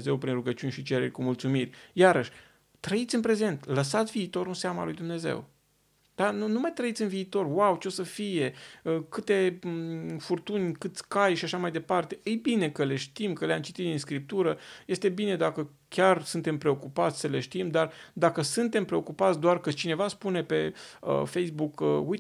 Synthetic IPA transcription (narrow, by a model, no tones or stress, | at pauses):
ze̞wpɾinruɡət͡ʃunʲʃit͡ʃe̞ɾḛrʲkumult̪sumirʲjaɾəʃʲ | t̪ɾəit̪sʲɨnpɾe̞ze̞nt̪ləs̬at̪sʲviːt̪o̞ɾunseaməa̰lujd̪umne̞zḛw | d̪̥anunumajt̪ɾəit̪sʲɨnviːt̪o̞rwawt͡ʃeosəfije̞əkɨt̪e̞ | furt̪unʲkɨt̪sʲkajʃiaʃamajd̪epart̪eʔɨjbine̞kəle̞ʃt̪imkəleamt͡ʃit̪it̪d̪ins̬kɾip̚t̪uɾəje̞st̪e̞bine̞d̪akə | kʲarsɨnt̪e̞mpɾe̞o̞kupat̪sʲsəle̞̰ʃt̪imd̪ard̪akəsɨnt̪e̞mpɾe̞o̞kupat̪sʲd̪oarkət͡ʃine̞vaspune̞pe̞ə̰fejsbukəuj